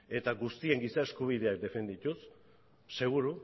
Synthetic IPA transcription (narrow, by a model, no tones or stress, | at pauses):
e̞t̪aɣust̪ie̞ŋɡisaeskuβ̞ið̞e̞ak̚d̪e̞fe̞nd̪it̪usː | e̞ɣ̞uɾu